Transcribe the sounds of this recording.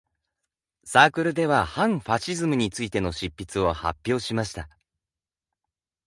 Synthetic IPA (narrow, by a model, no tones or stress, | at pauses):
saːkɯ̟ɾɯ̟d̪e̞βahãɰ̃ɸaɕizɨmɯ̟ɲ̟it͡sɨit̪e̞no̞ɕipʲːit͡sɨo̞ha̰pʲːjo̞ːɕimaɕi̥t̪a